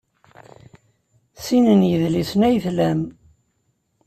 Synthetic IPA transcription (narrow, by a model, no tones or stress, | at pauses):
sinənjəðlisnæjθlæm